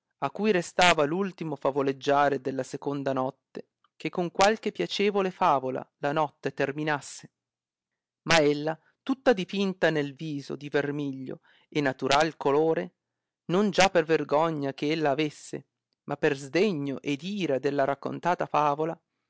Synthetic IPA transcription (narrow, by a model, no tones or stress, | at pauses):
akːujɾest̪aːvalult̪imofavoled͡ʒːaːɾed̪elːasekond̪anɔt̪ːe | kekːoŋkwalk̟epːjat͡ʃeːvolefaːvola̰lanɔt̪ːet̪erminasːe | maelːa | t̪ut̪ːad̪ipint̪anelviːzo̰d̪ivermiʎːo̰ | enːat̪uɾalkoloːɾe | nond͡ʒapːerverɡɔɲːak̟eelːaːvesːḛ | mʔapːerzd̪eɲːoʔed̪iːɾad̪elːaɾakːo̰nt̪aːt̪afaːvola